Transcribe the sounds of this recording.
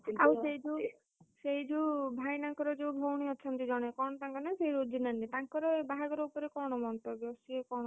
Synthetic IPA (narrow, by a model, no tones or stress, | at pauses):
awseɦid͡ʒu | seɦid͡ʒuːbʱajnaŋkɔɾɔd͡ʒebʱowɽ̃iɔt͡ʃʰɔnt̪id͡ʒɔɽ̃ekɔɽ̃ɔt̪aŋkɔnaseiɾod͡ʒʱinanit̪aŋkɔɾɔbaɦaɡɔɾɔupɔɾekɔɽ̃ɔmɔnt̪ɔbjɔsiekɔ̃ɔ